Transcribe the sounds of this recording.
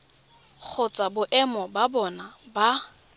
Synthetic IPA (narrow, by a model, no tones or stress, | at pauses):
k͡xʰʊt͡sʼabʊʔɛmɔbabɔnaba